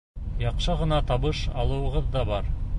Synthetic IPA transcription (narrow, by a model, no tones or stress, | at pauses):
jɑqʃɤʁɤ̆nɑt̪ɑβɤʃɑ̰lˠuwə̆ʁɤðd̪ɑbɑɾ